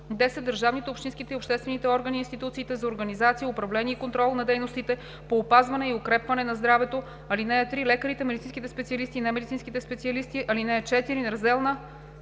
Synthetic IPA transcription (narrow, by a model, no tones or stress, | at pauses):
d̪ɛsɛd̪d̪əɾʒavnit̪ɛopʃt̪insk̟it̪ɛiopʃt̪ɛst̪vɛnit̪ɛɔɾɡɐniːnst̪it̪ut̪siːt̪ɛzɐoɾɡɐnizat̪sijəʊpɾɐvlɛniɛikont̪ɾɔlˠnɐd̪ɛjnost̪it̪ɛ | poːpazvɐnɛiʊkɾɛpvɐnɛnɐzd̪ɾavɛt̪o | ɐlinɛɛt̪ɾilɛkəɾit̪ɛmɛd̪it̪sĩnkʲit̪ɛspɛt̪siɐlist̪iːnɛmɛd̪it̪sinskit̪ɛspɛt̪siɐlist̪iʔɐlinɛɛt͡ʃɛt̪iɾinɾɐzd̪ɛlˠnə